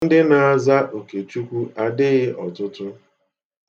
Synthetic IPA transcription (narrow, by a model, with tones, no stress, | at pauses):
n̩˦dɪ˦na˨a˦˨za˦ʔo˨ke˨t͡ʃu˦kʷu˦a˨dɪ˦ɣɪ˦ʔɔ˨tʊ˦tʊ˦